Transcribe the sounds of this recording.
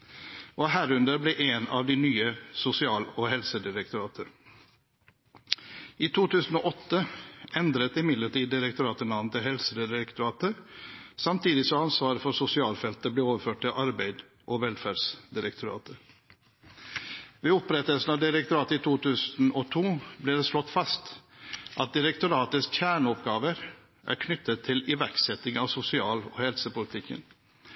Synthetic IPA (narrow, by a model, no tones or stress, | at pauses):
ʔoːɦæːɾʉnd̪əɾbleːʔeːnɑ̰ʋd̪iːnyːəsʊsɪɑːloːɦɛlsəd̪ɪɾək̚t̪ʊɾɑːt̪ʰəɾ | iːt̪ʰuːt̪ʰʉːsn̩oːʔɔt̪ːəɛnd̪ɾət̪ɪmɪd̪ləʈiːd̪ːɪɾɛkt̪ʊɾɑːt̪ənɑʋnt̪ɪhɛlsəd̪ɪɾɪɾəkt̪ʊɾɑːt̪əɾsɑmt̪ʰiːd̪ɪsɔɑnsʋɑːɾəfɔsʊsɪɑːlfɛlt̪əbleːoːʋəɾføːʈ̚t̪ɪlʔɑɾbæɪd̪ | ʔɔʋɛlfæːɖsd̪ɪɾəkt̪ʊɾɑ̰ːt̪ə | ʋeːɔpɾɛt̪əlsn̩ɑʋd̪ɪɾəkt̪ʊɾɑːt̪əiːt̪ʰuːt̪ʉːsn̩ɔt̪ʰuːblɪːd̪ɛslɔt̪ːfɑst̪ʔɑt̪̚d̪ɪɾɛkt̪ʊɾɑːt̪əsçæːɳəɔpɡɑːʋəɾ | ʔæ̰ɾkʰnʏt̪ːət̪ʰːɪlɪʋæɾksɛt̪ɪŋɑʋsʊsɪɑːlɔ̰hɛlsəpʊlɪt̪ʰɪkːə̰n